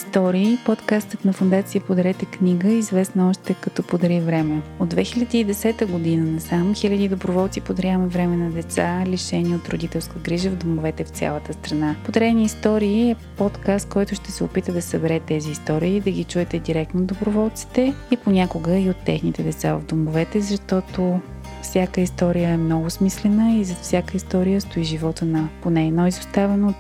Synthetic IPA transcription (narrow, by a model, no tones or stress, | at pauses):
st̪ɔɾiːpɔt̪kast̪ət̪nɐfʊnd̪at̪sijəpod̪ɐɾɛt̪ɛkniɡəizvɛsnɐɔʃt̪ɛkɐt̪ɔpod̪ɐɾivɾɛmɛod̪vɛxilʲəd̪iːd̪ɛsɛt̪əɡod̪inənɐsamxilʲəd̪id̪obɾovɔlˠt̪sipod̪ɐɾʲjavəmɛvɾɛmɛnɐd̪ɛt̪saliʃɛnʲiot̪ɾod̪it̪ɛlˠskəɡɾiʒəvd̪omovɛt̪ɛft̪sʲa̰lˠət̪əst̪ɾɐnapod̪ɾɛniist̪ɔɾiːɛpɔt̪kast̪̚kɔjt̪ʊʃt̪ɛsɛo̰pit̪əd̪ɐsəbɛɾɛt̪ːɛziːst̪ɔɾiːd̪ɐɡit͡ʃuɛt̪ɛd̪iɾɛk̚t̪nod̪obɾovɔlˠt̪si̥t̪ɛiponʲakʊɡəiot̪ːɛ̰xnit̪ɛd̪ɛt̪sa̰və̰vd̪omʊvɛt̪ɛzɐʃt̪ɔt̪o | fsʲjakəist̪ɔɾijəɛmnɔɡʊsmislɛnəizɐfsʲakəist̪ɔɾijəst̪oiʒivɔt̪ənɐponɛɛd̪nɔizʊst̪avɛno